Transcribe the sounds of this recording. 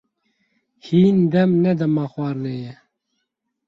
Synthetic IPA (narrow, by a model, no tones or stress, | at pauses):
hiːnd̪ɛmnɛd̪ɛmɑːxwʷɑːɾnɛjɛ